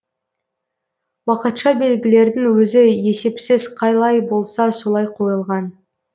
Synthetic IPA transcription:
wɑqət̪ʃɑbe̞lɡʲɪle̞ɾd̪ɪŋwɵzɪje̞se̞psɪzqʰɑjlˠɑjbo̞lˠsɑso̞lˠɑjqʰo̞jəlˠʁɑn

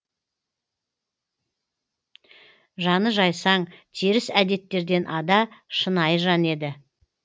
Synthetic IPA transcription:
ʒɑnəʒɑjsɑɴt̪ʰeɾɪsæd̪e̞t̪ːe̞ɾd̪e̞nʔɑd̪ɑʃənɑjʒɑne̞d̪ɪ

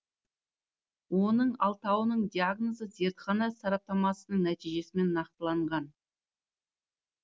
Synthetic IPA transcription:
wo̞nəɴɑlˠt̪ɑwənəɴd̪ʲijaɡno̞zəze̞ɾt̪χɑnɑsɑɾɑp̚t̪ɑmɑsənəɴnæt̪ijʒe̞sɪme̞nːɑq̚t̪əlˠɑɴʁɑn

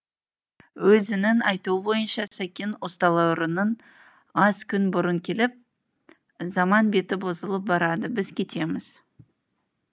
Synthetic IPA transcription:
wɵzɪnɪnɑjt̪uwəbo̞jənʃɑsækʲenwo̞st̪ɑlˠɑʊɾənən | ɑzkʲʰʏnbʊɾəŋkʲʰe̞lɪp̚ | zɑmɑnbe̞t̪ɪbo̞zəlˠəp̚bɑɾɑd̪əbɪzkʲʰe̞t̪e̞mɪz̥

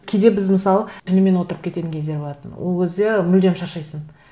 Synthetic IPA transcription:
kʲʰejd̪e̞bɪzmɪsɑlˠət̪ʲʰɪnɪme̞nwo̞t̪əɾəp̚kʲe̞t̪e̞t̪ɪŋkʲʰezd̪e̞ɾboɑt̪ə̰nwʔolˠkʲʰe̞zd̪e̞mʏld̪e̞mʃɑʃɑjsən

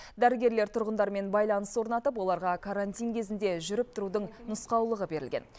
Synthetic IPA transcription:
d̪æɾɪɡʲe̞ɾle̞ɾt̪ʰʊɾʁənd̪ɑɾme̞nbɑjlˠɑnəswo̞ɾnɑt̪əp̬wo̞lˠɑɾʁɑkʰaɾant̪ijnkʲʰe̞zɪnd̪e̞ʒʏɾɪp̚t̪ʰʊɾud̪əɴnʊsqɑwlˠəʁəbe̞ɾɪlɡʲe̞̰n

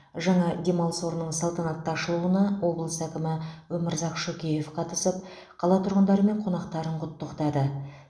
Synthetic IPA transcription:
ʒɑɴɑd̪ʲe̞mɑlˠso̞ɾnəɴsɑlˠt̪ɑnɑt̪ːɑʃəlˠuənɑwo̞blˠəsækʲɪmɪwɵmɪɾzɑqʃɵkʲeje̞fqʰɑt̪əsəp̚ | qʰɑlˠɑt̪ʰʊɾʁənd̪ɑɾəme̞ɴqʰo̞nɑqt̪ɑɾəɴqʰʊt̪ːəqt̪ɑd̪ə

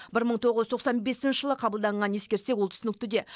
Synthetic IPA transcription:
bɪɾməɴt̪ʰo̞ʁəzt̪ʰoqsɑnbe̞sɪnʃəʒəlˠəqʰɑbəlˠd̪ɑɴʁɑnjeskʲe̞ɾse̞kwolt̪ʰʏsɪnɪk̚ʲt̪ɪd̪e̞

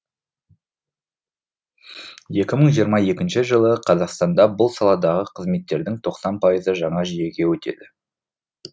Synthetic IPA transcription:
je̞kʲɪməɴʒijəɾmɑje̞kʲɪnʃɪʒəlˠəqʰɑzɑqst̪ɑnd̪ɑbʊlˠsɑlˠɑd̪ɑʁəqʰəzme̞t̪ːe̞ɾd̪ɪŋt̪ʰo̞qsɑnpʰɑjəzəʒɑɴɑʒije̞ɡʲe̞wɵt̪e̞̰d̪ɪ

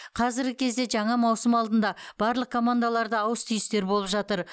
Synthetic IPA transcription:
qʰɑzɪɾɡʲɪkʲʰe̞zd̪e̞ʒɑɴɑmɑwsəmɑlˠd̪ənd̪ɑb̥ɑɾlˠəq̚kʰo̞mand̪alˠɑɾd̪əːwəst̪ʰʏjɪst̪e̞ɾbo̞lˠəpʒɑt̪əɾ

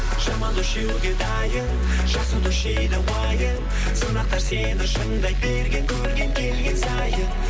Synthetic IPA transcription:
ʒɑmɑnd̪ʊʃewuɡʲe̞d̪ɑjə | ʒ̥ɑsud̪ʊʃejd̪ɪwɑjə | sonɑq̚t̪ɑɾsenɪʃəɴd̪ɑj̚beɾɡʲe̞ŋkʲʰɵɾɡʲe̞ŋkʲʰe̞lɡʲensɑjə

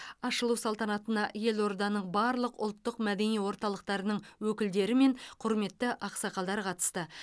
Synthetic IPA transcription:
ɑʃəlˠuwsɑlˠt̪ɑnɑt̪ənɑʔje̞lˠo̞ɾd̪ɑnəɴbɑɾlˠəqʊ̰lˠt̪ːəqmæd̪e̞nijwo̞ɾt̪ɑlˠəq̚t̪ɑɾənəɴwɵkʲɪld̪e̞ɾɪme̞ɴqʰʊɾme̞t̪ːɪʔɑqsɑqɑlˠd̪ɑɾqʰɑt̪ə̥st̪ə

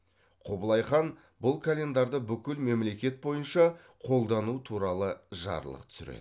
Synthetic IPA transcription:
qʰobəlˠɑjχɑn | bʊlˠkʰalʲe̞nd̪ɑɾd̪əbʏkʲɪlme̞mle̞kʲe̞t̪̚bo̞jənʃɑ | qʰo̞lˠd̪ɑnut̪ʰuɾɑlˠəʒɑ̰ɾlˠə̰qt̪ʰʏ̥sʏɾḛd̪

